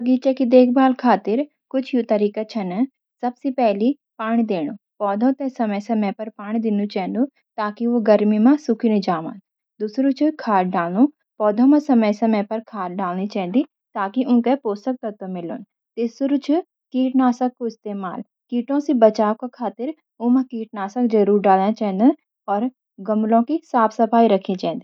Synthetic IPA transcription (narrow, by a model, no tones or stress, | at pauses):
ɐɡiːt͡ʃekid̪eːk̚ʰbaːlkʰaːt̪ɪɾ | kʊt͡ʃʰjut̪ɐɾiːkat͡ʃʰɐn | sɐbsipɛɦli | paːɽ̃id̪eːɽ̃ũ | pɔːd̪ʱõt̪ɛsɐməjsɐməpɐɾpaːɽ̃id̪ɪnut͡ʃɛ̃ːnd̪u | t̪aːkiʋoɡɐɾmimãsʊkʰinĩd͡ʒaːʋã̰ːn | d̪uːsɾut͡ʃʰukʰaːɾɖaːlnu | pɔːd̪ʱõmãsɐməjsɐməpɐɾkʰaːɾɖaːlnit͡ʃɛ̃ɦɛ̃nd̪i | t̪aːkiʔʊ̃ːt̪epoːst̪ək̚t̪ɐt̪omɪlon | t̪ɪsɾut͡ʃʰʊ | kiːʈnaːsəkːoɪst̪eːma̰ːl | kiːʈõsibɐt͡ʃaːkokʰaːt̪ɪɾ | ʊ̃mãkiːʈ̚naːsəkd͡ʒɐɾuːɾɖaːlãt͡ʃɐɦə̃n̆d̪ | ɔːɾ | ɡɐmlõkisaːpʰsɐpʰaːiɾɐkʰĩt͡ʃɛ̃ːnd̪i